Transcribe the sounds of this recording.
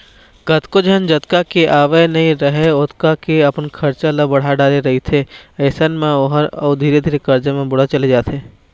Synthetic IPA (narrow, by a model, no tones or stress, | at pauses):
kət̪kod͡ʒənd͡ʒət̪kakeʔaːʋenɐɦĩɾɐɦeʊt̪kakeɐpənkʰɐɾt͡ʃalabɐɽ̤aɖaːɾeɾɐɦit̪ʰeəːsənmẽoɦəɾəd̪ʱiːɾed̪ʱiːɾekɐɾd͡ʒəmẽbʊɽ̤at͡ʃɐled͡ʒaːt̪ʰeː